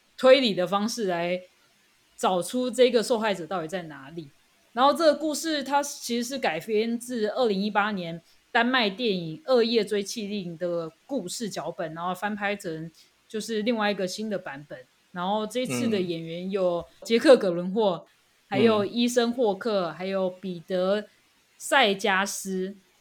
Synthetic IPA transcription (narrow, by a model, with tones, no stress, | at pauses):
t̪ʰwe˥ɪli˨˩d̪ə˦fɑ˥ŋʂɻ̩˥˩la˧˥ɪ | ʈ͡ʂɑ˨˩ʊʈ͡ʂʰu˥ʈ͡ʂɤ˥˩i˧˥ɡə˩ʂo˥˧ʊxa˥˩ɪʈ͡ʂɤ˨˩t̪ɑ˥˩ʊi˨˩t͡sa˥˩ɪna˧˥li˨˩˦ | a˧˥nxo˥˧ʊʈ͡ʂɤ˥ɡə˨˩ku˥˧ʂɻ̩˥˩t̪ʰa˥t͡ɕʰi˧˥ʂɻ̩˧˦ʂ̬ɻ̩˥˩ka˨˩ɪfjɛ˥nt͡sɹ̩˥˧ə˥˩li˧˥ŋi˥pa˥njɛ˧˦n | t̪a˥nma˥˧ɪt̪jɛ˥˩ni˨˩ŋə˥˧jɛ˥˩t͡swe˥ɪt͡ɕʰi˥˧li˥˩ŋd̪ə˨˩ku˥˧ʂɻ̩˥˩t͡ɕjɑ˧˥ʊpə˨˩nːa˧˥nxo˥˩ʊfa˥npʰa˥ɪt͡sʰə˧˥ŋ | t͡ɕjo˥˧ʊʂɻ̩˥˧li˥˧ŋwa˥˩ɪi˧˥ɡə˨˩ɕi˥nd̪ə˨pa˧˥npə˨˩˦n | na˧˥nxo˥˧ʊʈ͡ʂɤ˥˧i˧˥t͡sʰɹ̩˥˩d̪ə˨˩jɛ˨˩nɥɛ˧˦˥njo˨˩ʊt͡ɕjɛ˥kʰɤ˥˩kə˨˩lwə˧˦nxwɔ˥˩ | ha˧˥ɪjo˨˩ʊi˥ʂə˦ŋxwɔ˥˧kʰɤ˥˩xa˧˥ɪjo˨˩ʊpi˨˩t̪ɤ˧˥˦ | sa˥˩ɪt͡ɕja˥ʂ̩˥